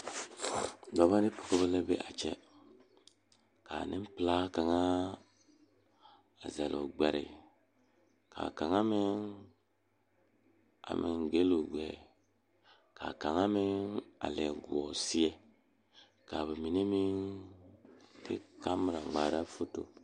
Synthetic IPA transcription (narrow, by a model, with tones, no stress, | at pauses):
dɔ˨βa˦ni˦po̥˨ko˦βɛ˦lɛ˦be˦ʔa˨t͡ʃɛ˦ | ka˨nʔɪ̃˦pla˦ka˨ŋa˦ | a˨zɛ˨lʔɔ̰˨ɡ͡bɛ˨ɾɪ̰˨ | ka̰˨ka˨ŋa˦mɪ˦n | a̰˨mʔɪ˨ŋɡe˦lo˨ɡɛ˨ | ka̰˨ka˨ŋa˦mɪ˦na̰˨lɛ˨ɡu˨ɔ˨si˦ɛ˦˨ | ka˨βi˨mi˨ne˦mi˦n | tʰḭ˦ka˦m˨ɾa˨ɡ͡ba˨ɾa˦fo˦to˨